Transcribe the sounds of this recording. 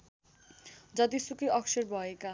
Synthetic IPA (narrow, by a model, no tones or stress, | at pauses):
d͡ʑɔd̪isukiɔkʃeɾbɔeka